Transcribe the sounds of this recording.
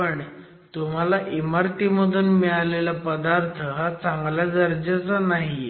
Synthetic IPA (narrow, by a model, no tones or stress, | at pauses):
pəɳ | t̪um̤alaʔimaɾt̪iməd̪ʱuːnmɛɭalelapəd̪aɾt̪ʰəɦat͡saŋɡljad͡zəɾd͡ʑat͡sanaɦi